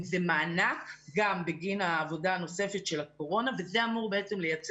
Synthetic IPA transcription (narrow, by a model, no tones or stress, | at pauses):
zemaːnakɡambeɡinaːvo̞daːno̞se̞fetʃe̞lako̞ʁo̞nave̞ze̞amuʁbe̞et͡se̞mle̞jat͡s